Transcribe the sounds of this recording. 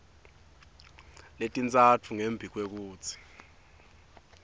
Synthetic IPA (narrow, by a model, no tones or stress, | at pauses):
letʼint͡sʼat͡fʰuŋembʱik̬ʼwek̬uːt͡sʰi̥